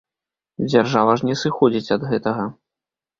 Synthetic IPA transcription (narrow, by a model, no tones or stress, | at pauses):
d͡zʲarʐavɐʐnʲɛsɨxɔd͡zʲit͡sʲɐd̪ɣɛt̪ɐɣɐ